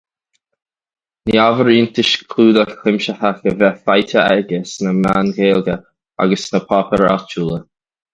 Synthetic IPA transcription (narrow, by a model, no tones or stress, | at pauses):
niavəɹiːnt̪ɪʃkʰluːd̪əkʰlɪmʃəhaxəvɛfajtʰəɛɡɪsnəmaːnɡeːlɡə | a̰ɡəsnəpʰɔpəɾa̰t͡ʃuːlə